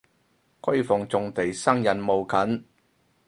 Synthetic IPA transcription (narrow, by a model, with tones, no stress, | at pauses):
kʰɵ˥ɥfʊ˨˩ŋt͡sʊ˨ŋt̪e˨˩jsɐ˥ŋjɐ˨nmo˨wkʰɐ˨˥n